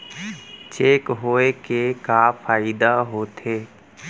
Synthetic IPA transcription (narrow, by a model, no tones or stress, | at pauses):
t͡ʃeːkɦoːekekafʰaːɪd̪aɦoːt̪ʰeː